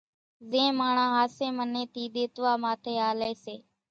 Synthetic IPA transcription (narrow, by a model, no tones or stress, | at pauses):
zẽːmaːɳãːɦaːsẽːmənẽːt̪iːd̪eːt̪ʋaːmaːt̪ʰeːaːleːseː